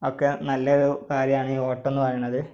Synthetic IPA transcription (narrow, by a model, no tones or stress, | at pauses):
okːenɐlːɐoɾukaːɾjɐmaːɳiːo̞ːʈːo̞nːɨpɐrɐjuɳːɐðɨ